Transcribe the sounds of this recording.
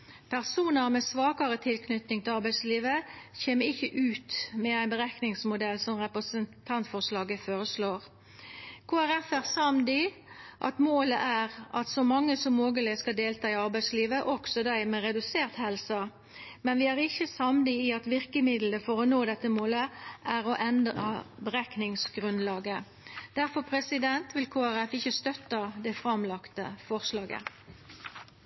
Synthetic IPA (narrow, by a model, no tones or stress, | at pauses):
pʰæʁsuːnəʁmɛsʋɑːkɑɾət̪ʰɪlkʰnʏt̪nɪŋt̪ʰɪlɑʁbæɪsliːʋəçeːməɪçːəʔʉːt̪mɛæɪnbəʁæknɪŋsmʊd̪ɛlːsɔmʁɛpʁəsənt̪ʰɑnt̪fɔʁslɑːɡəfoːɾəsloːʁ | kʰoːæʁɛfæʁsɑmd̪ɪ | ʔɑ̰t̪moːləʔæːʁʔɑt̪sɔmɑŋːəsɔmːoːɡəlɪskɑld̪eːlt̪ʰɑːɪɑʁbæɪsliːʋəʔɔksɔd̪æɪmɛʁɛd̪ʉseːʁt̪hɛlsɑ | mɛnʋɪæʁɪçːəsɑmd̪ɪɪɑt̪ʋɪʁkəmɪd̪ləfɔʁɔnoːd̪ɛt̪ːəmoːləʔæʁɔʔɛnd̪ʁɑ̰bəʁæknɪŋsɡʁʉnlɑːɡə | d̪̥æʁfɔpʰʁɛsɪd̪ɛnt̪ʋɪlkʰoːæʁɛfɪçəst̪œt̪ːɑd̪ɛfʁɑmlɑkt̪ə̰fɔʁslɑːɡə̰